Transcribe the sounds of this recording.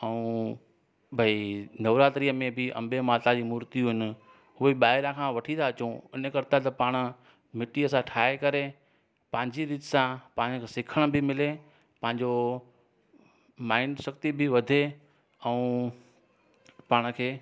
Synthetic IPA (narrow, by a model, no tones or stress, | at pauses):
ɛ̃ũ | bʱɐinɐʋɾaːt̪ɾijəmẽbɪʔɐ̰̃mbemaːt̪ad͡ʑiːmuːɾt̪iuɦɪnɪ̆ | ɦʊɦeɓaːɪɾãkʰãʋɐʈʰĩt̪ʰaːt͡ɕũɪnəkɐɾɪt̪at̪ɐpaːɽ̃ə̆ | mɪʈiɐsãʈʰaːekɐɾe | pɐ̃ɦɪ̃ɲd͡ʑiɾiːt̪sãpãːɲkʰeːsɪkʰəɽ̃əbɪmɪle | pɐ̃ɦɪ̃ɲd͡ʑo | maːɪnsɐkt̪ibʱɪʋɐd̪ʱe | ɛũ | paːɽ̃əkʰeː